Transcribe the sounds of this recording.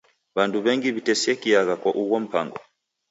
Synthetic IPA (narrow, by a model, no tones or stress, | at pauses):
βanduβɛŋɡiβitɛsiɛkijaɣakwaʔuwɔm̩pa̰ŋɡɔ̰